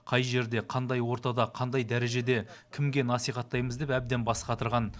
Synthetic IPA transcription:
qʰɑjʒe̞ɾd̪e̞qʰɑnd̪ɑjwo̞ɾt̪ɑd̪ɑqʰɑnd̪ɑjd̪æɾe̞ʒe̞d̪e̞ | kʲʰɪmɡʲe̞nɑsijχɑt̪ːɑjməzd̪epæb̚d̪e̞nbɑsqɑt̪əɾʁɑn

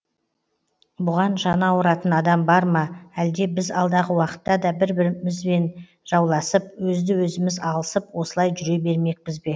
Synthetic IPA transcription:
bʊʁɑnʒɑnɑwəɾɑt̪ənɑd̪ɑmbɑɾmɑæld̪e̞bɪzɑlˠd̪ɑʁəwɑqə̥t̪ːɑd̪ɑbɪɾbɪɾmɪzbe̞n | ʒ̥ɑwlˠɑsəp̚wɵzd̪ɪwɵzɪmɪzɑlˠəsəpwo̞səlˠɑjʒʏɾe̞be̞ɾme̞k̚pɪzbe̞

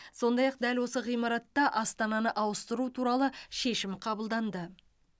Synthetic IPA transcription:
so̞nd̪ɑjɑq̚d̪ælwo̞səʁijmɑɾɑt̪ːɑʔɑst̪ɑnɑnəʔɑwəst̪əɾut̪ʰuɾɑlˠəʃe̞ʃɪmqʰɑbəlˠd̪ɑnd̪ə

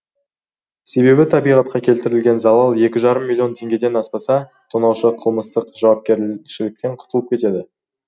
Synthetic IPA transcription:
se̞βe̞bɪt̪ʰɑbijʁɑt̪̚qɑkʲʰe̞lt̪ɪɾɪlɡʲe̞nzɑlˠɑlˠje̞kʲɪʒɑɾəmːilʲːio̞nt̪ʰe̞ŋɡʲe̞d̪e̞nɑspɑsɑt̪ʰonɑwʃəqʰəlˠməst̪əqʒ̥ɑwɑp̚kʲe̞ɾʃɪlɪk̚t̪e̞ɴqʰʊ̥t̪əlˠəp̚kʲʰe̞t̪e̞d̪ɪ

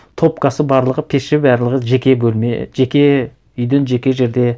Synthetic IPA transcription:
t̪ʰo̞p̚kɑsəbɑɾlˠəʁəpʰeʃʃɪbæɾlˠəʁəʒekʲe̞bɵlmḛʒekʲe̞ | ʏjd̪enʒe̞kʲe̞ʒe̞ɾd̪e̞

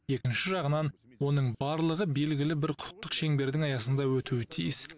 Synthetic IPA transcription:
e̞kʲɪnʃɪʒɑʁənɑnwo̞nəɴbɑɾlˠəʁəbe̞lɡʲɪlɪbɪɾqʰʊ̥q̚t̪ːəqʃe̞ŋbe̞ɾd̪ɪŋɑjɑsənd̪ɑwɵt̪uwɪt̪ʰḭjɪs

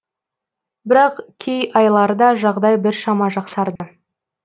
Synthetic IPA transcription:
bɪɾɑqkʲʰejɑjlˠɑɾəd̪ɑʒɑʁd̪ɑjbɪɾʃɑmɑʒɑqsɑɾd̪ə

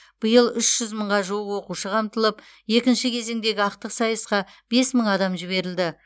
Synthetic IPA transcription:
b̥əjəlˠʏʃʒ̥ʏzməɴʁɑʒuwəqwo̞quʃəqʰɑmt̪əlˠəp | je̞kʲɪnʃɪkʲʰe̞ze̞ŋd̪e̞ɡʲɪɑq̚t̪əqsɑjəsqɑb̥e̞sməɴɑd̪ɑmʒɪβe̞ɾɪld̪ɪ

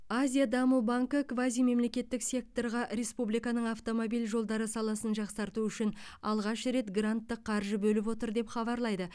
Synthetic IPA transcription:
azʲijad̪ɑmubaŋkəkvazijme̞mle̞kʲe̞t̪ːɪksʲe̞k̚t̪o̞ɾʁɑɾe̞spublijkɑnəɴaft̪o̞mo̞bilʒo̞lˠd̪ɑɾəsɑlˠɑsənʒɑqsɑɾt̪uʏʃɪnɑlˠʁɑʃɾe̞t̪ɡrant̪ːəqʰːɑɾʒəbɵlɪp̬wo̞t̪əɾd̪e̞pχɑbɑɾlˠɑjd̪ə

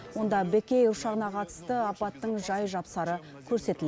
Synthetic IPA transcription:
wo̞nd̪ɑbekʲe̞jʊʃɑʁənɑqʰɑt̪ə̥st̪əɑpɑt̪ːəɴʒɑjʒɑpsɑɾə | kʲʰɵɾse̞t̪ɪle

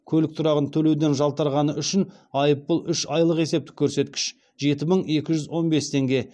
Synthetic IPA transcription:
kʲʰɵlɪk̚t̪ʰʊɾɑʁənt̪ʰɵle̞wd̪e̞nʒɑlˠt̪ɑɾʁɑnəʏʃɪnɑjəpːəlˠʏʃɑjlˠəqe̞se̞p̚t̪ɪ̥kʲʰːɵɾse̞t̪kʲɪ̥ʃ | ʒe̞t̪ɪməɴe̞kʲɪʒʏzwo̞nbe̞st̪ʰe̞ŋɡʲe̞

